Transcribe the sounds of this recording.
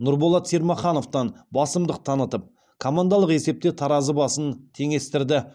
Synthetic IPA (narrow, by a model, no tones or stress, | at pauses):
nʊɾbolˠɑt̪seɾmɑχɑno̞ft̪ɑnbɑsəmd̪əq̚t̪ʰɑnət̪əp̚ | kʰomand̪ɑlˠəqe̞se̞p̚t̪et̪ʰɑɾɑzəbɑsənt̪ʰe̞ŋe̞st̪ɪɾd̪ɪ